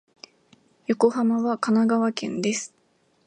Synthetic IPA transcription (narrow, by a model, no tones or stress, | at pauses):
jo̞ko̞hamaβakanaɡaβakẽ̞̰nd̪e̞sɨ̥